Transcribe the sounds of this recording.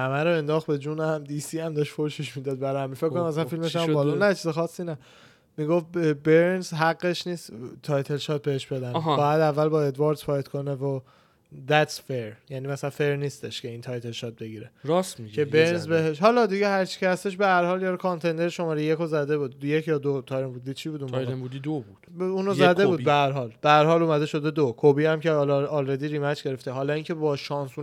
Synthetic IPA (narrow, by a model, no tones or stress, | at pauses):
hæmæɾoe̞nd̪ɒːxt̪be̞d͡ʒuːnæmd̪iːsiːæmd̪ɒːʃtfoɾʃeʃmid̪ɒːd̪̚bæɾhæmifekkonæs̬ænfilmeʃæmbɒlunæt͡ʃʰizexɒːsːinæ | miɡo̞fbeɾnzɦæɡːeʃniːst̪t̪ʰɒjt̪ʰe̞lʃɒːt̪̚be̞heʃbe̞d̪ænbɒːjæd̪ævːælbɒːe̞d̪vɑɾt̪pɒːjt̪kʰo̞nevo | d̪æt̪sfeɾjænimæsælænfeɾniːst̪eʃcʰe̞int̪ʰɒjt̪ʰe̞lʃɒːt̪̚be̞ɡiːɾeɾɒsmicʰʲe̞beɾɾnzbeɦeʃɦɒːlɒd̪iɟehæɾt͡ʃʰi̥cʰehæst̪e̞ʃ̬behæɾhɒːljɒːɾkʰɑnt̪ʰe̞nd̪eɾʃo̞mɒːɾejekʰozæd̪e̞buːd̪jecʰjɒːd̪ot̪ʰɒːjɾenbud̪iːt͡ʃʰibuːd̪umbæebud̪id̪obud̪̥unozæd̪ebuːd̪behæɾɦɒːlb̥æhæɾhɒːluːmæd̪e̞ʃo̞d̪e̞d̪okʰobiːhæmcʰelːlɾed̪iɾiːmæd͡ʒɡe̞ɾe̞ft̪eɦɒːlɒiŋcʰe̞bɒːʃɒːnsu